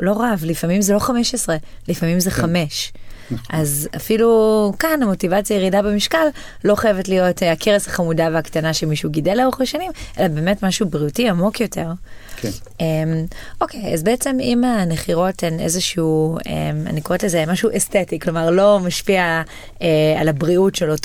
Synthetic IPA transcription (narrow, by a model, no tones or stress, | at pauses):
lo̞ʁavlifamimzelo̞χameʃesʁelifamimzeχame̞ʃʔazafilukanamo̞tivat͡sjajeʁidabemiʃkalː | o̞χajevetlijo̞takʰeʁesaχamudaveaktanaʃemiʃuɡidelaoχeʃanimʔelabe̞ːmetmaʃubʁiutiamo̞kjo̞te̞ʁk | emo̞kʰeja̰zbeet͡se̞mimaneχiʁo̞tenḛzeʃiuḛma̰nikoetlezemaʃuʔestetiklo̞maʁlo̞maʃpia | ealabʁiutʃelot